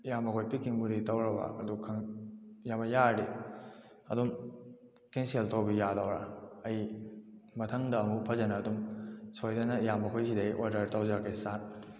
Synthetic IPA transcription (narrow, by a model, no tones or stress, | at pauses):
ijamɐkʰojpikːiŋbuɾitɐwɾɐbɐ̰ɐ̰dukʰːɐŋjabɐjaɾi | ɐ̰dum | keŋseltowbijadɐwɾa̰ɐj | mɐtʰɐŋdɐːmupʰɐzɐnɐːdumsojdɐnɐijamɐkʰojs̬idɐjʔoɾdɐɾtɐwzaɾkejsat̚